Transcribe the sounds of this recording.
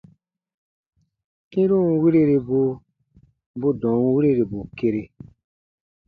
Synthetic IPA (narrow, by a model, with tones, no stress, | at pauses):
kĩ˦ɾũ˦wi˦ɾe˦ɾe˧bu˧ | bo˦dɔ̃˨˦wi˦ɾe˦ɾe˨bu˨ke˧ɾe˧